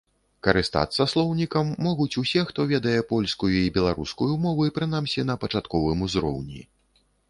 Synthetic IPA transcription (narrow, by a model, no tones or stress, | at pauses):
kɐɾɨst̪a̰t̪sːɐslˠɔwnʲikɐmːɔɣut͡sʲusʲɛxt̪ɔvʲɛd̪ɐjɛpɔlʲskujuibʲɛlˠaɾuskujumɔvɨpɾɨn̪amsʲinɐpɐt͡ʂat̪kɔvɨmuzɾɔ̰wnʲḭ